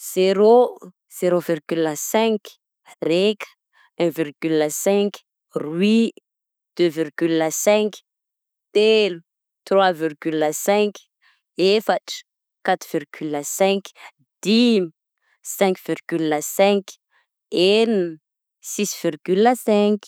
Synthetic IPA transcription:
z̥eɾo | z̥eɾovirɡylasɛ̃k | rekə̥ | ɛ̃virɡyləsɛ̃k | rwi | d̪̥øvirɡylasɛ̃k | t̪elu | t̪rwavirɡylasɛ̃k | efaʈ͡ʂə̥ | kat̪v̥irɡ̥ylasɛ̃k | d̪̥im | sɛ̃ŋkv̥irɡylasɛ̃k | en | sisv̥irɡylasɛ̃k

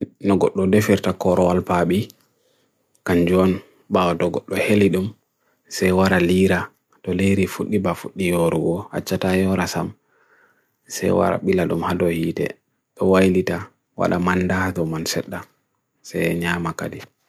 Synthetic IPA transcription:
nɔɡɔɗːɔdefiɾtakɔɾɔwalpaɓi | kaɲd͡ʒɔn | bawɔtɔɡɔɗːɔheliɗum | sɛjwaɾaliːɾa | tɔleɾifuɗːibafuɗːijɔɾɔwɔha̰t͡ʃːatajɔɾasam | sɛ̰jwa̰ɾa̰ɓilaɗumhadɔhiːtɛ̰ | ɗɔwajlita | wa̰ɗa̰manːdadɔmansɛɗːa | sɛjɲaːmakadi

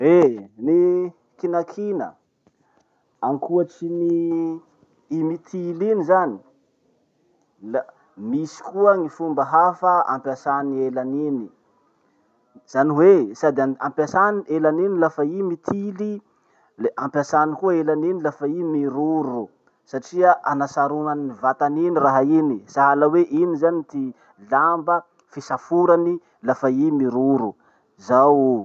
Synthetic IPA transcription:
eni | kinakʰinə̰ | aŋkuat͡sini | imit̪ʰilinizani̥ | l | misi̥kuəŋifumbəɦafəa̰mpjasanielanini | z̥aniwesad̪ampjasanielaninilafaimit̪ʰili | ampjasanikuəelaninilafaimiɾuɾu | saʈ͡ʂiaʔanasaɾunanivat̪aniniraɦainisaɦalaweʔinizanit̪i | lambə | fisafuɾani | lafaimiɾuɾu | zaw

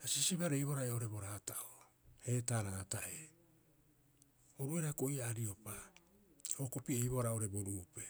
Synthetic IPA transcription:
asisiβaɾejβoɾaeoɾe̞bo̞ɾaːtao | he̞taːɾaːtaʔe | oɾueɾakoiaːɾio̞pa | ho̞ko̞piejβoaɾao̞ɾe̞bo̞ɾuːpe

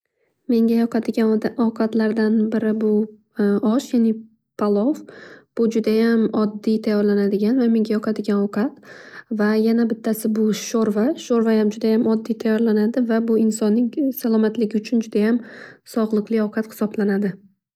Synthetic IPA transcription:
me̞ŋɡʲajɒqʰɑd̪ɪɡʲanɒwqʰɑt̪laɾd̪anbɪɾɪbʊ | ɒʃjanɪ | pʰalˠɒfb̥ʊd͡ʒʊd̪ajamɒd̪ːit̪ʰajːɒɾlanad̪ɪɡʲanvame̞ŋɡʲajɒqʰɑd̪ɪɡʲanɒwqʰɑt̪vajanabɪt̪ʰːasɪbʊʃoɾvaʃoɾvajamd͡ʒʊd̪ajamɒd̪ːijt̪ʰajɒɾlanad̪ɪvabʊɪnsɒnːɪŋsalˠɒmat̪lɪɡʲɪʊt͡ʃʰʊnd͡ʒʊd̪ajamsɒʁlˠɨqlˠɪɒwqʰɑt̪hɪ̥sɒblanad̪ɪ

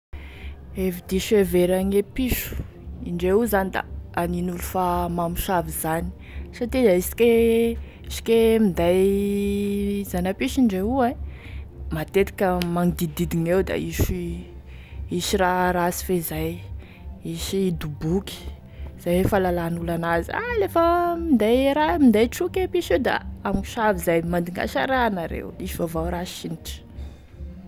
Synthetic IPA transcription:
evid̪iʃeveɾaŋepiʃu̥ | iɳɖ͡ʐeuzanid̪a̰aninulufamamiʃavizani̥ | sat̪iaisi̥kʲe | isi̥kemind̪aj | zanapiʃiɳɖ͡ʐeue | mat̪et̪ḁkəmaŋid̪id̪id̪iŋewd̪a̰iʃi | isiraɾasi̥fezaj | isid̪ubukʲi̥ | z̥ajfalalanulanazia̰lefəmind̪ajɾamind̪ajʈ͡ʂukepiʃewd̪a̰amiʃavizajmand̪iŋɡa̰ʃaɾanaɾḛwisivavawɾaʃiniʈ͡ʂə̥

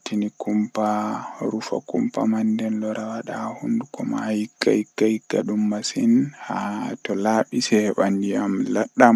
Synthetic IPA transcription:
tinikumpaɾufa̰kumpa̰mandɛnlɔɾawaɗahundukʰɔmahikːa̰hikːahiɡːaɗumːasinhatɔlaːɓisɛhɛɓandiamlaɗːam

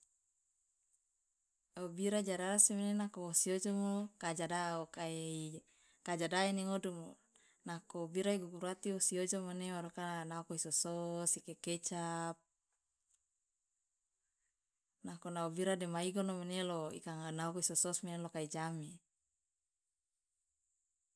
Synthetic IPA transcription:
obiɾad͡ʒaɾaɾasemenenakoosiod͡ʒomokad͡ʒadaokai | kad͡ʒadainiŋodumo | nakobiɾaiɡuɡuɾat̪iosiod͡ʒomanewaɾukanaokoisososikeket͡ʃap̚ | nakonaobiɾademaiɡonomeneloḭkaŋanaokoisososmenelokaid͡ʒami

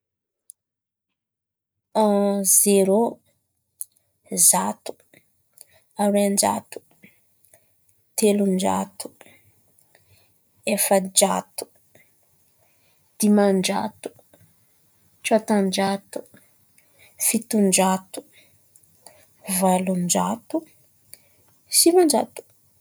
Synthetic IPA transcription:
ãzeɾo | zat̪u̥ | aɾand͡ʒa̰t̪u̥ | t̪elund͡ʒa̰t̪u̥ | efəd͡ʒa̰t̪u̥ | d̪̥imand͡ʒa̰t̪u̥ | t͡ʃat̪and͡ʒat̪u̥ | fit̪und͡ʒat̪u̥ | valund͡ʒat̪u | simand͡ʒa̰t̪u̥

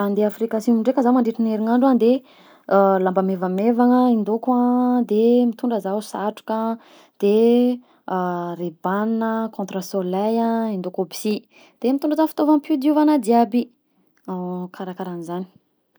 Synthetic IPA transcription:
and̪eafrikasimuɳɖ͡ʐekəzamaɳɖ͡ʐiʈ͡ʂineɾiŋaɳɖ͡ʐand̪e | lambəmevəmevaŋəind̪okãd̪emit̪uɳɖ͡ʐəzausaʈ͡ʂu̥kə | d̪̥e | reb̥annəkõnt̪ɾasolajãind̪okobi̥si | d̪̥emit̪ũɳɖ͡ʐəzafi̥t̪ovampud̪iuvanəd̪iabi | akʰaɾakaɾanizani̥

